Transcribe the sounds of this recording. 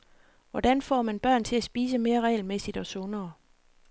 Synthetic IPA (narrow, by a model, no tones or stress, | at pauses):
ʋɒd̥ænfɒ̰ːmænb̥ɶɐ̰nt͡sʰe̝læsb̥iːs̬əme̝ːɐʁɛ̰ɪlmesid̥ɒ̽sɔ̝nɐː